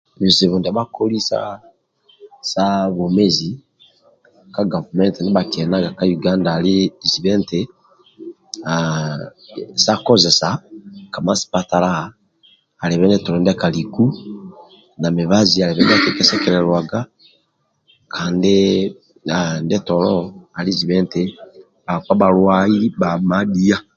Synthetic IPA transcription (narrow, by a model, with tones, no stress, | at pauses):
βi˨zi˨βo˨nda˨βa˦ko˦li˦sa̰˦ | sa˦βo˨me˦zi˨ | ka˦ɡa˨vu˨mɛ˦nte˨ni˦βa˨ke˨na˦ɡa˨ka˦ju˨ɡa˦ndaː˨li˦˨zi˨βɛ˦nte | a | sa˦ko˦zɛ˨sa˨ka˨ma˦si̥˨pa˦ta˨la˦haː˨ | le˨βɛ˦ne˦to˨londa˦kaliku˦ | na˨me˨βazia˨leβɛ˦n˦akekesekeɾeɾwaɡa˦ | kʰaːnde | andetolo˦a˨lizi˨βe˦nte | aka˦βa˨ɾwa˦iba˨madia˦